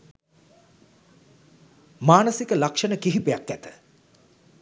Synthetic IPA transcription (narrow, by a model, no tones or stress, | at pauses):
maːnəsikəlakʂənəkiɦipejakːæt̪ə̥